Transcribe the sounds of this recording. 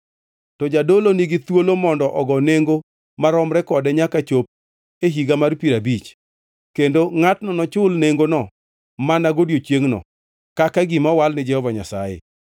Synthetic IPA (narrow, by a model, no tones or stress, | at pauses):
tɔd͡ʒadoloniɡɪt̪wolomɔndɔʔɔɡɔneŋɡo | maɾɔmɾɛkɔdɛɲakat͡ʃop̚ | eɦiɡamarpiɾabit͡ʃ | kendoŋatnɔnɔt͡ʃʊlneŋɡonɔ | manaɡodjot͡ʃjeŋnɔ̰ | kakaɡɪmɔwalnɪd͡ʒɛhɔvaɲasajḛ